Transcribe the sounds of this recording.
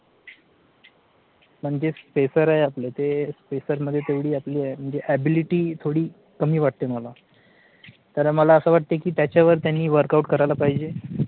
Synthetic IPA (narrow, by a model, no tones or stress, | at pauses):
m̤əɳd͡ʑespesəɾajaplet̪espesəɾməd̪ʱːjet̪eʋɽiːapliːajm̤əɳd͡zeʔæbiliʈiːt̪ʰoɽiː | kəmiːʋaʈ̚t̪eməla | t̪əɾməlaəsəːʋaʈ̚t̪ekiːt̪jat͡ɕjaʋəɾt̪janːiːʋəɾkauʈkəɾajlapaɦid͡ʑe